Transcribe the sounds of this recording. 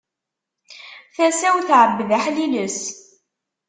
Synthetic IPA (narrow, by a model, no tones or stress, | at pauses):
θæsæwθʕəbːðaħliləs